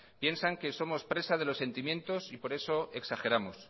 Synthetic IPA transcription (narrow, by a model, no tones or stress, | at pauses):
pje̞nsaŋkeso̞mo̞spɾe̞sað̞e̞lo̞sːe̞nt̪imje̞nt̪o̞sipo̞ɾe̞so̞e̞ksaxe̞ɾamo̞s